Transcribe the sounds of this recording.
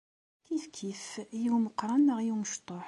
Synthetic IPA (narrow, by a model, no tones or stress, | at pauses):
kifkʰifjiwməqːɾˤɑnːəʁjiwməʃt̪ˤoħ